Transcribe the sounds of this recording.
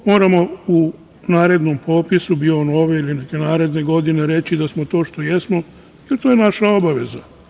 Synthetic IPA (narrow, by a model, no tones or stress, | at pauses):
mo̞ːɾamo̞u | naːɾe̞d̪nompʰo̞ːpisubiono̞ʋeilineke̞naːɾe̞d̪ne̞ɡo̞d̪ine̞ɾe̞t͡ʃid̪asmo̞t̪o̞ːʃt̪o̞je̞smo̞ | jelt̪oːjenaʃao̞baʋe̞za